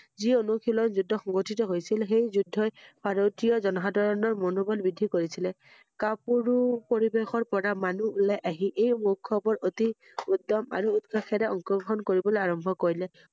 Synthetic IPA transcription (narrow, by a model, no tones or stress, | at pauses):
zionukʰilɔnzudʱːɔxɔŋɡotʰitɔɦojsilxejzudʱːɔjb̥ʱaɹotijɔzɔnɔɦadʱɔɹɔnɔɹmɔnubɔlbidʱikoɹisilɛ | kapuɹupoɹibexɔɹpɔɹamanuːlajʔaɦiʔejmukʰːɔbɔɹoti | udːɔma̰ɹuːdɡaxʰɛɾɛɔŋkɔɡɔɦɔnkoɹibɔleaɹɔmbʱɔkoɹilɛ